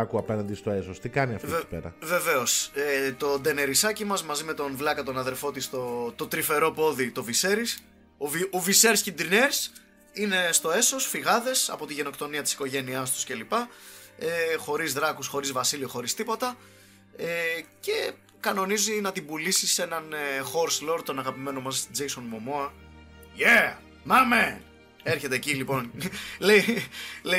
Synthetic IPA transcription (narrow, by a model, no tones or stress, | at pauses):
ɐkuɐpenɐnd̪ist̪oe̞sost̪ikɐniɐ̰ftiipḛɾɐ̰ve̞ve̞o̞set̪o̞d̪e̞ne̞ɾisɐcimɐzmɐzime̞t̪o̞nvlɐkɐt̪o̞nɐðe̞ɾfo̞t̪ist̪o̞t̪o̞t̪ɾife̞ɾo̞po̞ðit̪o̞vise̞ɾis | ovioviseɾscind̪ɾineɾs | ine̞st̪o̞e̞so̞sfiɣɐðe̞sɐ̰po̞t̪iʝe̞no̞kt̪o̞niɐt̪i̥si̥ko̞ʝe̞niɐst̪u̥sce̞lipɐexo̞ɾizðɾɐkusxo̞ɾizvɐsilioxo̞ɾist̪ipo̞t̪ɐ | ece̞ | kɐno̞nizinɐt̪ibulisise̞nɐnxo̞ɾslo̞ɾt̪o̞nɐɣɐpime̞nomɐsst̪id͡ʒejso̞nmomoɐʝe | mɐme | eɾçe̞t̪eːcilipo̞nleile